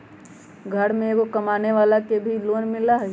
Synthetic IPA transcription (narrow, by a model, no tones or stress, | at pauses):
ɡʱɐɽmẽkokɐmaːneʋaːlakebʱiloːnmɪlaɦ